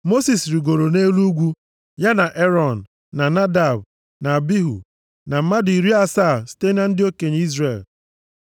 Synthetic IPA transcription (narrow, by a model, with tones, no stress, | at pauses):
mo˦si˨sɾi˨ɡo˨ɾo˨ne˦lu˦ɡʷu˦ | ja˦na˨ʔe˦ɾɔ˨n˨ | na˨na˦da˨b | na˨bi˦ɦṵ˨ | na˨m̩˨˦ma˦dʊ˨i˨ɾi˦a˦sa˦˨ste˦na˦n̩˦dɪ˦o˦ke˨ɲ˨˦i˦zre˨l